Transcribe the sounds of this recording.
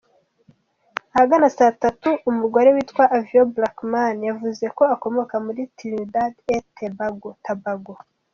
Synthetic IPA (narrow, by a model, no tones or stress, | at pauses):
ahaɡanasatatuːmuɡoɾewitkwaʔavioblakmanjavuze̞ko̞ako̞mo̞kamuɾitiɾidadetebaɡotabaɡo